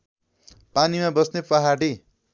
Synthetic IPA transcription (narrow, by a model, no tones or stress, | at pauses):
panimabʌsnepʌɦaɽi